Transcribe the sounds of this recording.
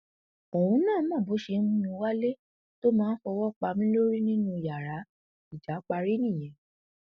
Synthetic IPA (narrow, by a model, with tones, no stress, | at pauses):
o˨wũ˨˦nãː˦˨˦mã˦˨bo˨˦ʃe˧˦mũ˦mĩ˧˦wa˦le˦ | to˦mãː˦n̩˦fɔ˧wɔ˦˨k͡pa˧mĩ˦lo˦ɾi˦nĩ˦nũ˧˨ja˨ɾa˨˦ | i˨d͡ʒa˨˦k͡pa˧ɾi˦nĩ˦˨j̃ɛ̃˨